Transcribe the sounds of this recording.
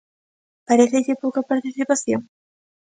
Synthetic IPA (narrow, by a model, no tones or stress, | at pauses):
paɾeθeʎepokapaɾt̪isipasjoŋ